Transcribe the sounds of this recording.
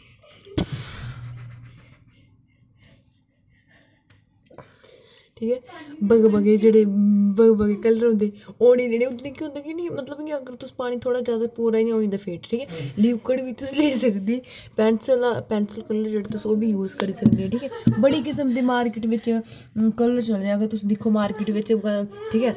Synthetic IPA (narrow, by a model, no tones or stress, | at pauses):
ʈʰiːkɛːbəɡbəɡeːd͡ʒeːɽeːbəɡbəɡeːkələɾɦõːnd̪eːoːɽeːleːɽeːʊd̪nẽːkiõːnd̪aːkiːnĩːmət̪ləbkiəɡəɾt̪ʊsːpaːɽ̃iːt̪ʰoːɽaːzjaːd̪aːpuːɾaːiːãɦoːĩːd̪aːpʰeːʈʈʰiːkɛːliːʋkəɽʋiːt̪ʊsiːleːisəkd̪iːpɛːɳsəlapɛːnsəlkəlːəɾd͡ʒeːɽaːt̪ʊsoːbiːjuːzkəɾiːsəkd̪eːɛ̃ːʈʰiːkɛːbəɽiːkɪsəmd̪iːmaːɾkɪːʈʋɪt͡ʃ | kəlːəɾt͡ʃəld̪eːəɡəɾt̪ʊsd̪ɪkʰːoːmaːɾkɪʈʋɪt͡ʃʈʰiːkɛː